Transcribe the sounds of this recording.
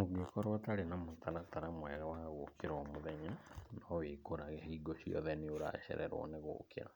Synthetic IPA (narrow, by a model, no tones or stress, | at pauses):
moɡekɔɾwataɾenamotaɾataɾamwɛɣawaɣokeɾaomoðɛɲanɔwekoɾaɣɛɦeiɡosiɔ̰ðɛnioɾa̰ʃɛ̰ɾʔɛɾo̰neɣo̰kḛɾa̰